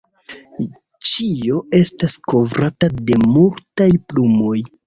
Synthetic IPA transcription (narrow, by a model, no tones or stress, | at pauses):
t͡ʃio̞e̞stasko̞vɾatade̞multajplumo̞j